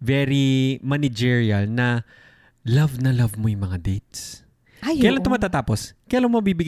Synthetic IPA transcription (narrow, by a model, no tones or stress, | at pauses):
vɛɾimɐnɪd͡ʒiɹiɐlnɐ | lɐvnɐlavmojʊŋmɐŋad̪ejt̪̚s | kɐjalaɐŋt̪ʊmaːt̪aːt̪aːposkɐjalaŋomɐbibɪɡ